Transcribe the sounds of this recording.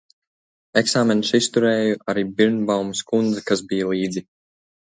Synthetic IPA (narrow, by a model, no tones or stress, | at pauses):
eksaːmɛnsist̪uɾɛːjuʔaɾiːbiɾnbawmiskund̪zakasbijalˠiːd̪zi